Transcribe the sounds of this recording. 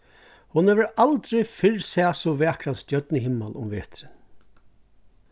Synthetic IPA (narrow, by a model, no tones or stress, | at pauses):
hʊnheːʋəɾalt̪ɾɪfɪɹsɛːsʊʋɛːkʰɾansjœt̪nɪɦɪmːalʔʊ̰mʋḛːt̪ɾɪ